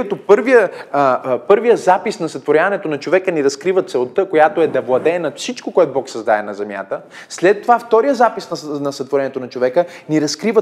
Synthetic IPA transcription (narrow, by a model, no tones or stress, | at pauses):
ət̪opɤɾvijə | pɤɾvijəzapisnɐsət̪voɾʲjavɐnɛt̪onɐt͡ʃovɛkəniɾɐskɾivət̪sɛlˠt̪əkojat̪oɛd̪ɐvlˠɐd̪ɛːnɐfsit͡ʃkokoɛt̪obɔksɐzd̪aɛnɐzɛmja̰t̪ə | slɛt̪ːovaft̪ɔɾijəzapisnɐnɐsɐt̪voɾɛnɛt̪onɐt͡ʃovɛkəniɾɐskɾivə